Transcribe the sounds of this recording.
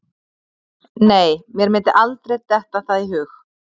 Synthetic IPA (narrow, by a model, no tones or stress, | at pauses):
neːjmjɛɾmɪnt̪ɪʔalt̪ɾejt̪ɛht̪aθaðiɦʏːx